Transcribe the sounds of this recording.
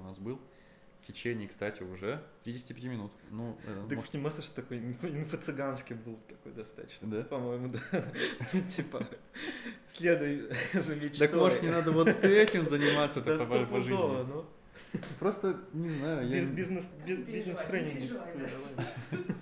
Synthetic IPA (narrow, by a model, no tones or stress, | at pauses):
ʊnasbɨlˠ | ftʲɪt͡ɕenʲɪjkst̪atʲɪʊʐɛpʲɪɾʲidʲɪsʲtʲɪpʲɪtʲimʲɪnut̪nuɛ̰d̪ɨknʲɪmasəʂt̪t̪ɐko̞jnfɪnfət̪sɨɡanskʲɪbɨlˠt̪ɐko̞̰jd̪ɐst̪a̰t̪t͡ɕnpɐmo̞jɪmʊd̪a | tʲipə | sʲlʲed̪ʊjzɐmʲet͡ɕt̪əkmoʐɨnʲɪnad̪əvot̪ɛtʲɪmzənʲɪmat̪sːət̪ɐɐvojpɐʐɨzovəno | pɾost̪ənʲɪznajʊjazbʲiznʲɨsbʲɪzbʲizʲnʲɪst̪ɾɛnʲɪnɡʲiɐkod̪ɐvalʲ